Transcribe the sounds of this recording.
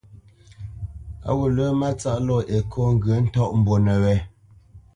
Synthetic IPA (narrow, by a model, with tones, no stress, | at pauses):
a̰˨wo˨lə˦ma˦t͡sa˦ʔlɔ˦˨ʔe˨kʰɔ˦ŋ̩˦ɡə˨˦n̩˦tɔ˦˨ʔm̩˨bo˨nə˨wɛ˨˦